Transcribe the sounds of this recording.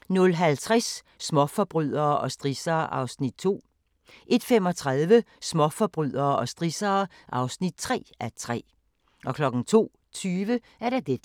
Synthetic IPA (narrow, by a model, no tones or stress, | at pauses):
nɔ̽lɦælt͡sʰʁɛsː | mɒfɒb̥ʁyð̰ˠɐːʔɒ̽sd̥ʁisɐːʔɑ̈ʊsnid̥̚t͡sʰo̝̰ː | ʔe̝d̥femɒ̽t͡sʰʁɑðˠʋəsmɒ̽fɒ̽b̥ʁyð̰ˠɐːɒ̽sd̥ʁisɐːʔɑ̈ʊsnid̥̚t͡sʰʁɛ̰ːæt͡sʰʁɛ̰ː | ʔɒ̽kʰlɒ̽ɡ̥n̩t͡sʰo̝̰ː | t͡sʰyːʋə | æɐɾ̥ɑd̥e̥